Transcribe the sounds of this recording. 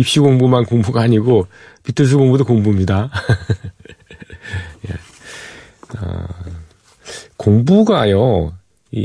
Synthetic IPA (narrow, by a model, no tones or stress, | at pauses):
ipɕ͈iɡoŋbumankoŋbuɡaːɲiɡo | pitʰɯɭs̬ʰuɡoŋbudokoŋbumɲida | je̞̰ | ʌ̰ | koŋbuɡajo | ḭ